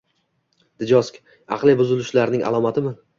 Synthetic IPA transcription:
d̪̥ɪd͡ʒɒskʲ | ɑ̰qlˠɪbʊzɪlɪʃlaɾnɪŋʔa̰lˠɒmat̪ʰɪmɪ

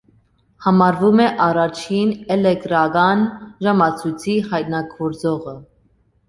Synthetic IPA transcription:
hɑmɑɾvumɛʔɑrɑt͡ʃʰinɛlɛk̚t̪ɾɑɡɑnʒɑmɑt͡sʰujt͡sʰihɑjt̪̚nɑkvɔɾd͡zɔʁə

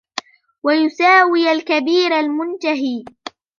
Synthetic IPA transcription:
wajʊsaːwɪjalkabiːɾalmʊnt̪aɦiː

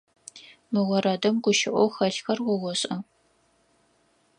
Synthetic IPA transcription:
mɨʁʷɔɾɐdɐmɡʷʊʃɪʔʷɔwxɐɬxɐrwʷɔwʷɔɕʼɐ

